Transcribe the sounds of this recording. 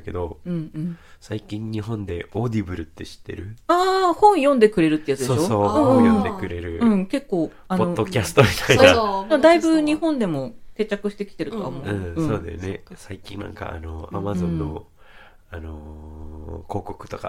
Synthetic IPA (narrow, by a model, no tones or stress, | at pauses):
ke̞d̪o̞ɯ̟̃ɴɯ̟̃ɴsaikʲĩɲɲiɦõ̞nd̪e̞ʔo̞ːd̪ʲibɯ̟ɾɯ̟t̪ːe̞ɕi̥t̪ːe̞̰ɾɯ̟aːhõ̞ɰ̃jõ̞nd̪e̞kɯ̟ɾe̞ɾɯ̟t̪ːejat͡sɨd̪soːosõːjond̪ekɯ̟ɾe̞ɾɯ̟ɯ̟̃ɴke̞kːo̞ː | anpoot̪ːokʲasɨ̥t̪o̞mʲit̪ainad̪emod̪aibɯ̟ɲ̟ihõ̞nd̪e̞mo̞se̞ːt͡ɕakɯ̟ɕi̥t̪e̞kʲi̥t̪e̞ɾɯ̟t̪oa̰omoɯ̟̃ːɯ̟soːd̪esne̞saikʲḭ̃nnã̰ŋka̰ːno̞amazõ̞nːo̞̰ | ano̞ | ko̞ːko̞kɯ̟̥t̪o̞ka